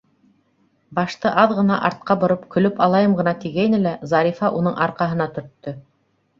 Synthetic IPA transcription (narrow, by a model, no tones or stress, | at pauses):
bɑʃt̪ɤʔɑðʁɤ̆nɑʔɑɾt̪̚qɑbŏɾɤpkɵ̆lɵpɑlˠɑjɤmʁɤ̆nɑt̪iɡæjnɘlæzɑɾʲifɑʔunɤɴʔɑɾqɑɦɤ̆nɑt̪ɵ̆ɾt̪ːɵ